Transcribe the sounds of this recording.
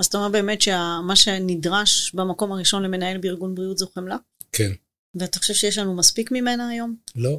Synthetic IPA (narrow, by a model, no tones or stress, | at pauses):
azataomeʁbe̞ːme̞tʃeamaʃe̞nidʁaʃbamako̞maʁiʃo̞nle̞me̞nae̞lbeiʁɡunbʁiutzoχemla | kʰen | veataχoʃe̞vʃejeʃlanumaspikmime̞naːjo̞mlo